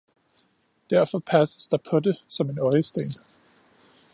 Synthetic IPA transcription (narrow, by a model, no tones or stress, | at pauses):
d̥æɐ̰fɒ̽pʰæsə̥sd̥ɑ̈pʰɒ̽de̝sɒ̽me̝nɒ̽ɪəsd̥ḛːn